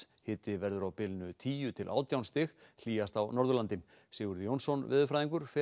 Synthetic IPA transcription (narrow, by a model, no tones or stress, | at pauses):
hɪːt̪ɪvɛɾðʏɾawpɪlnʏt̪ʰiːjʏt̪ʰɪlʔa̰ːwt̪jawnst̪ɪxl̥iːjast̪awnɔɾðʏlant̪ɪm | sɪːɣʏɾðjownsɔnvɪ̰ːðʏfɾajðiŋkʏɾ̥fɛ